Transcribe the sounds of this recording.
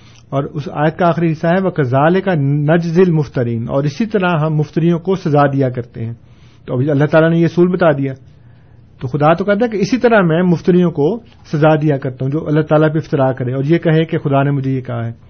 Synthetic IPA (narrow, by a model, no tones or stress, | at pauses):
ɔːɾʊsa̰ːjət̪̚kaaːxɾiɦɪsːaɦɛʋokɐzaːlekanɐd͡ʒzɪlmʊft̪əɾiːnɔ̰ːɾɪsit̪ɐɾaɦɐmːʊft̪ɪɾijõkosɐzaːd̪ijakɐɾt̪eɦɛ̃ː | t̪oɐbɐlːaɦt̪aːlanejeɐsuːlbɐt̪aːd̪ijaː | t̪oxʊd̪at̪okɛɦt̪̬ẽɛ̃keɪsit̪ɐɾamɛ̃ːmʊft̪ɪɾijõko | sɐzaːd̪ijakɐɾt̪aɦũd͡ʒoːʔɐlːaɦt̪aːlap̬eɪft̪ɪɾaːkɐɾẽɔːɾjekɐɦẽkexʊd̪anemʊd͡ʒʱejekɐɦaɦɛː